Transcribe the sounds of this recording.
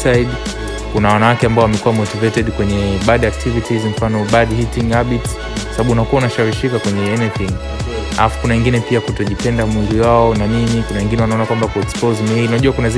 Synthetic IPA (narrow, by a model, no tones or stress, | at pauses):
sad | kunawanawakɛambaɔwamɛkuwamɔtivɛtɛɗkwɛɲɛɓadak̚tʰivitizm̩fanɔbadhitiŋabits | kwasabaɓuunakuaunaʃaɾiʃikakwɛɲɛɛnɛθiŋ | a̰afu̥kunawɛŋɡinɛpiakutɔʄipɛndamwiliwaɔnaninikunawɛŋɡinɛwanaɔnakwambakuɛkspɔzminaʄuakunaz